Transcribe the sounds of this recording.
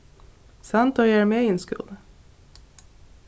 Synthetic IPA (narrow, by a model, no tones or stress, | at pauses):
sɑnt̪oːjæːɹmeːiːeːnskʉ̰lə